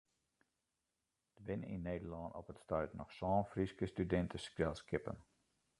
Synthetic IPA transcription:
d̥əbɪnḭnːeːdəlɑːnɔ̰pətstœɥtnɔχsɑːnfriskəstydɛntəskrɛlˠskɪpə̰n

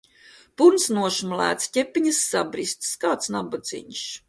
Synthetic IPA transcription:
puɾnsnuɔʃmlæ̰ːt̪scʲepʲːiɲasːabɾist̪skaːt̪snabɔd̪zḭɲʃ

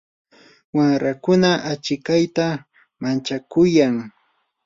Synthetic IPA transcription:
waŋɾakʊnaʔat͡ʃɪkajt̪a | mant͡ʃakʊjaŋ

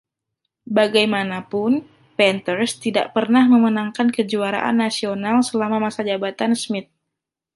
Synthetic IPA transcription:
baɡajmanapʊn | pɛnt̪ərst̪ida̰ʔpərnahməmənaŋkankəd͡ʒuaɾa̰ʔa̰nːasionalsəlamamasad͡ʒabat̪ansmɪt̪̚

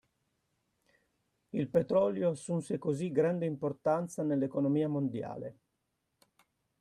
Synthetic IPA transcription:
ilpet̪ɾɔljoasːunsekoziɡɾand̪eimport̪ant̪sanelːekonomiːamond̪ja̰ːle

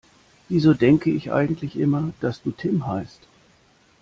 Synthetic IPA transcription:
viːzoːdɛŋkəɪçʔa̰ɪɡŋ̩tʰlɪçʔɪmɐd̥asd̥uːtʰɪmɦaɪst

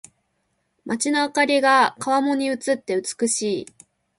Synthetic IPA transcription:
mʔat͡ɕinoakaɾʲiɡakaβamo̞ɲ̟iɯ̟t͡sɨt̪ːe̞ɯ̟t͡sɨ̥kɯ̟ɕiː

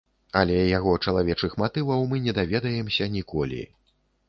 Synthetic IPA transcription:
ɐlʲɛjaɣɔt͡ʂɐlˠavʲɛt͡ʂɨxmat̪ɨvɐwmɨnʲɛd̪avʲɛd̪ɐjɛmsʲɐnʲikɔlʲḭ

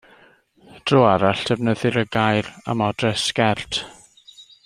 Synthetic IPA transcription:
d̥roːaɾaɬtʰɛvnəðɪɾəɡajra̰mɔdrɛskɛrtʰ

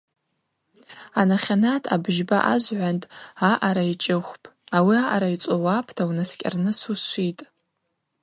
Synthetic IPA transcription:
anaχʲanatʰʼa̰bʒbaʔaʒʷʕʷantʼaʔaɾait͡ʃʼɪχʷpʼawiaʔaɾait͡sʷʼowapʰtʰawnɨskʲʼa̰rnɨsuʃʷitʼ

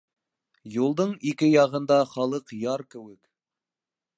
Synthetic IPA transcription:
julˠd̪ɤɴikɘjɑʁɤ̆nd̪ɑχɑlˠɤqjɑɾkɘ̆wɘk

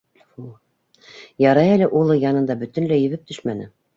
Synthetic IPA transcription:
u | jɑɾɑjælɘʔulˠɤjɑnɤ̆nd̪ɑbɵ̆t̪ɘ̆nlæjɘ̆βɘp̚t̪ʰɵʃmænɘ

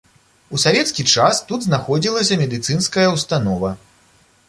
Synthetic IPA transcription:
usavʲɛt̪skʲit͡ʂast̪ud̪znaxɔd͡zʲilˠɐsʲɐmʲɛd̪ɨt̪sɨnskɐjɐwst̪anɔvɐ

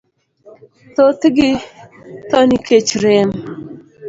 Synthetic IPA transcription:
t̪ot̪ɡɪ | t̪ɔnikʰet͡ʃɾem

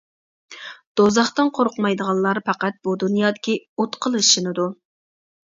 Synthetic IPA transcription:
d̪̥ozɑχt̪ɨnqʰoɾʊqmɑjd̪əʁɑlˠlːˠɑɾpʰɑqæt̪̚b̥ud̪unjɑːd̪ɪkʲiot̪qʰəlˠɨʃinɨd̪u

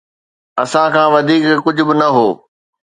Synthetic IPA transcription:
ɐsãkʰãːʋɐd̪ʱiːkːʊd͡ʑʱʊbɪnɐɦoː

